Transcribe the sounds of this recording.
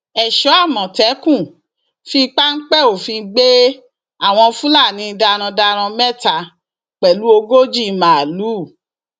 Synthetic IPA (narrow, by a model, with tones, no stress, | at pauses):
ɛ˨ʃɔ˨˦a˦˨mɔ̃˨tɛ˨˦kũ˦˨ | fi˧˦k͡pa˦ŋ̩˦k͡pɛ˦˨o˨fĩ˧ɡ͡be˦ | a˦˨w̃ɔ̃˧fũ˦la˦˨nĩ˨˧da˧ɾ̃ã˧da˧ɾ̃ã˧mɛ˦˨ta˧˨ | k͡pɛ˨lu˨˦o˧ɡo˦d͡ʒi˦˨˦mã˨a˨lu˨˦˨